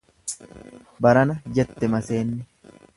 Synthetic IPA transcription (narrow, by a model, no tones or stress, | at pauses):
bɐɾɐnɐd͡ʒɛt̪ːɛmɐse̞ːnːɪ